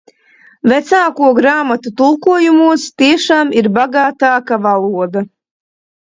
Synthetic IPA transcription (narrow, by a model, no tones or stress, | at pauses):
vɛt̪saːkuɔɡɾaːmat̪ut̪ulˠkuɔjumuɔst̪iɛʃaːmiɾbaɡaːt̪aːkavalˠuɔd̪a